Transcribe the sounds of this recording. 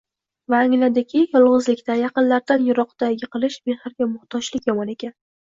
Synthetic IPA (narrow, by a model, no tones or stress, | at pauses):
vaːŋlad̪ɪkʲʰɪjɒlˠʁɨzlɪkʲt̪ajɑqɨnlaɾd̪anjʊɾɒqt̪aɪqɨlˠɪʃbehaɾɡʲamʊχt̪ʰɒt͡ʃlɪkʲjɒmɒne̞kʲan